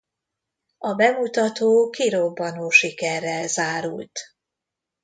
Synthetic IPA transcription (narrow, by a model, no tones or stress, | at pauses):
ɒbɛmut̪ɒt̪oːkiɾobːɒnoːʃikɛrːɛlzaːɾṵlt̪